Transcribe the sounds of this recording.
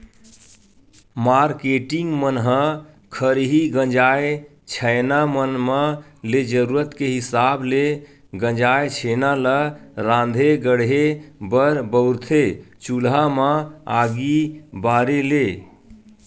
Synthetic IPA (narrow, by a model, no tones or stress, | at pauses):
maɾkeʈiŋɡmənɦə̃ | kʰəɾɦiɡə̃nd͡ʒae | t͡ʃʰənamənməled͡ʒəɾuɾət̪keɦisable | ɡə̃d͡ʒaet͡ʃʰenaləɾãnd̪ʱeɡəɽɦebəɾbəʊɾt̪ʰet͡ʃulɦaməaɡibaɾele